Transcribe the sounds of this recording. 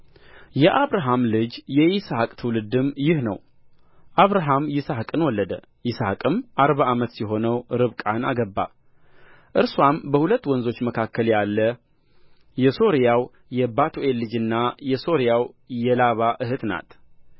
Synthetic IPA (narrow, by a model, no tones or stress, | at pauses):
jɛʔaβɾaɦamlɨd͡ʒjɛʔisakʼt̪ʰɨwlɨd̪ɨmjɪhnə̰w | ʔaβɾaɦamjɪsahkʼɨnwɔlːəd̪ə | jɪsakʼɨmʔaɾβaʔamət̪sɛɦo̞nəwɾɨβkʼanaɡəbːa̰ | ʔɨɾswambəhulət̪ːwɔnzo̞t͡ʃːməkʰakːəljalːə | jɛso̞ɾjaw | jɛbat̪ʰoʔe̞lːɨd͡ʒɨnːajɛso̞ɾijawjɛlaβaʔɨɦɨt̪na̰t̪